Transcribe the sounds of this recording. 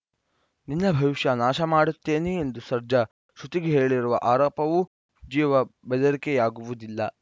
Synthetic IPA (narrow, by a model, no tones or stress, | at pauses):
ninːɐbʱɐʋiʃjɐnaːʃɐmaːɽut̪ːe̞ːneːnd̪usɐɾd͡ʒɐ | ʃut̪iɡeɦe̞ːɭiɾuʋɐʔaːɾɔːpɐʋu | d͡ʒiːʋɐbɛd̪ɐɾikɛjaːɡuʋud̪ilːɐ